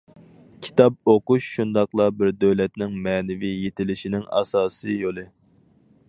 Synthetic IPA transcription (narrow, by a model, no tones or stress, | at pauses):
kʲʰi̥t̪ʰɑp̚oquʃʃund̪ɑqlˠɑbɪɾd̪øwlɛt̪nɪŋmɛːnɪvijet̪ʰɪlɪʃinɪŋɑ̰sɑːsɨjolˠɨ